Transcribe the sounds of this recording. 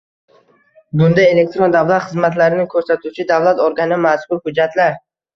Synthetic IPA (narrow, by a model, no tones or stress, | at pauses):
bʊnd̪aje̞le̞k̚t̪ɾo̞nd̪avlˠat̪χɨzmat̪laɾɪnɪŋkʰɵɾsat̪ʰut͡ʃʰɪd̪avlˠat̪oɾɡʲanɪmaskʊɾhʊd͡ʒːat̪ʰlaɾ